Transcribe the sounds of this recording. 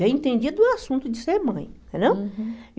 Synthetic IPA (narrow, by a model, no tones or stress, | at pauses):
ɛẽt̪ẽnd͡ʒid̪ʊasũnt̪ʊd͡ʒɪseɾmɐ̃j̃t̪ẽnd̪eww